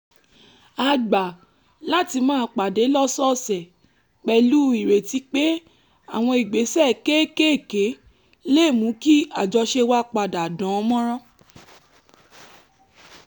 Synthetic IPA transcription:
a˨˧ɡ͡ba˨ | la˦ti˧mãː˦˧˦k͡pa˨de˨˦lɔ˦sɔ˦˨sɛ˨ | k͡pɛ˧lu˦i˦˨ɾe˨ti˨˦k͡pe˦ | a̰˨w̃ɔ̃˧i˨ɡ͡be˨˦sɛ˦˨ke˦ke˦e˦˨ke˨˦ | le˦˨mũ˨˦ki˦a˨d͡ʒɔ˧ʃe˧wa˦k͡pa˧˨da˨dã˨˦˧mɔ̃˦ɾ̃ã˦

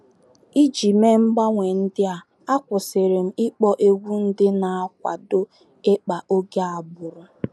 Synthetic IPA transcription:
i˦d͡ʒi˨me˦m̩˦ɡ͡ba˦ŋʷe˨n̩˦dɪ˦a˨ | a˦kʷʊ˨sɪ˨ɾɪ˨m̩˨ɪ˦k͡pɔ˦ʔe˦ɡʷu˦n̩˦dɪ˦na˨a˦k̚ʷa̰˨do˦ | e˦k͡pa˨ʔo˦ɡe˦a˨bʊ˨ɾʊ˨

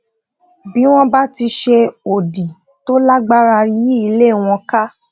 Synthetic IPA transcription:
bi˨˦w̃ɔ̃˦ba˦ti˧ʃe˧o˨di˨ | to˦la˦ɡ͡ba˦ɾa˧ɾi˦ji˦i˧le˦˨w̃ɔ̃˧ka˦

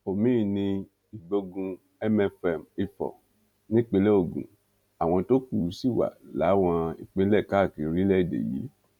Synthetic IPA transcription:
o˨mĩ˦˨nĩ˧ | i˨ɡ͡bo˧ɡũ˧ | ɛ˦mɛ˧fɛ˨mi˧fɔ̰˨ | nĩ˦k͡pe˧˦lɛ˦o˦˨ɡṵ̃˨ | a˨w̃ɔ̃˧to˦ku˦˨u˨˦si˦˨wa̰˨la̰˨˦w̃ɔ̃˧i˨k͡pe˦lɛ˦˨ka˦˨ki˨˧ɾi˦lɛ˦i˦˨dḛ˨jḭ˨˦

